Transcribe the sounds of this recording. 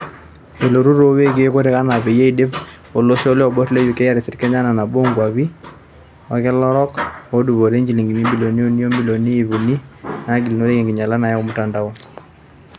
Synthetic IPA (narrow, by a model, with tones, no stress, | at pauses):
e˨lo˨ɾu˦ɾo˦we˦k̬e˦ko˦ɾe˦ka˦na˨pe˨je˦i˨dɪ˦p | o˨lo˦ʃɔ˦le˦ɔ˨bɔ˦tle˦ju˨ke˦ja˦ɾɪ˨sɪ˨tkɛ˦ɲa˦na˨na˨bo˦ŋɡwa˨βi˦ | wa˨kɛ˦lɔ˦ɾɔ˦ko˦du˨βo˨ɾe˦ɲd͡ʒi˨li˨ŋɡi˨mi˦mbi˨lo˨ni˦o˦ni˦o˦mbi˦lo˨niː˦˨βu˨ni˦na˨˦ɡi˨li˨no˦ɾe˦ki˨ŋɡɪ˨ɲa˨la˦na˨ja˦ko˦mʊ˦ta˨nda˦wɔ˨